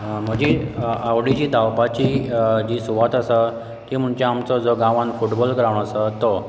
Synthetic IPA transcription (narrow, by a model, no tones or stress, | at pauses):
m̤əɡd͡ʑiawɽid͡ʑiːd̪ʱawpat͡ɕiːd͡ʑiːsuʋat̪əsə | k̪im̤əɳt͡ɕaamt͡sɔd͡zɔɡãʋãnfuʈbɔlkɾaʋɳəsət̪ɔ